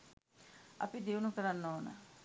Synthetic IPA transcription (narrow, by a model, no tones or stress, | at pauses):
ɐ̰pid̪iunukəɾanːoːnə̰